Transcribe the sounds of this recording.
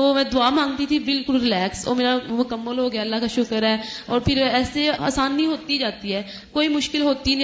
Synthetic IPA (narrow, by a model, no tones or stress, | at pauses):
t̪oːmɛ̃ːd̪ʊaːmãːŋɡt̪iːt̪ʰiːbɪlkʊlɾɪlɛːkso̰ːmeːɾamʊkəmːəlɦoːɡɛːəlːaːkaʃʊkəɾɛːɔːɾpʰɪɾɛːsea̰ːsaːnːĩːɦoːt̪id͡ʒaːt̪iɦɛː | koːiːmʊʃkɪlɦoːt̪iñ